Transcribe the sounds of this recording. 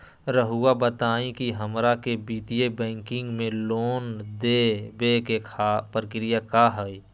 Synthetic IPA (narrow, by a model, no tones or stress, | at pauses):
ɾəɦuabət̪aːĩkiɦəmɾakebiːt̪ijebɛ̃ːŋkɪ̃ŋɡmẽloːnd̪ebeːkekʰapɾəkɾijakaːɦəi